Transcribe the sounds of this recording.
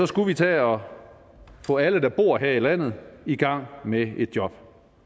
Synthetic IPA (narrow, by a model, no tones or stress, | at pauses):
sɒ̽sɡ̥uʋit͡sʰɛ̰ːɒ̽ | fɔ̰̽ːæləd̥ɑ̈b̥o̝ːɐ̰ɦeɐ̰ilæn̰ð̞̩ˠiɡ̥ɑ̈ŋ̰mee̝d̥jɒ̽b̥